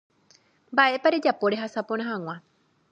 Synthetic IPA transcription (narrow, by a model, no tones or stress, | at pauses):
mbaʔe̞paɾe̞d͡ʒapo̞ɾe̞ɦasapõɾ̃ãɦãw̃ã